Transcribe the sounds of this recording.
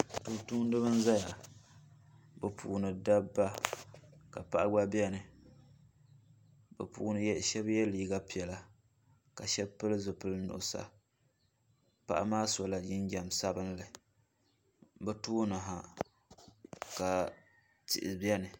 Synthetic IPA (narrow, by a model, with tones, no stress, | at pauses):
tu˨tuː˦n˦dɨ˦bɨ˦n˦za˦ja˨ | bɨ˨pʰuː˨nɨ˨da˦bːa˦ | ka̰˨pa˨ʔa˦ɡ͡ba˦bi˦ɛ˦nɨ˨ | bɛ̰˨puː˨nɨ˨jɛ˦ʃɛ˦bjɛ˦liː˦ɡa˦pi˨ɛ˨la˨ | ka˨ʃɛ˦bpɨ˦lzɨ˨pɨ˦lnʊ̰˨ʔʊ˨sa̰˨ | pa̰˦ʔa̰˦maː˦sɔ˨la˨d͡ʒɪ˦nd͡ʒa˨msa˦bɨ˦nlɨ˨ | bɛ˦tuː˦nɨ˨ɦa˨ | ka˨ | tɪ̰˨ʔɪ˨bjɛ˦nɨ˨